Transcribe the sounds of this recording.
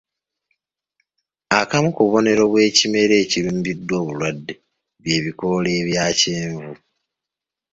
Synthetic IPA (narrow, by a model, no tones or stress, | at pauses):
akamukuβo̞ne̞ɾo̞βwe̞ːcime̞ɾe̞ːciɾuːmbidːwo̞ːβulwadːe | βje̞ːβiko̞le̞ːβjaːceːɱvu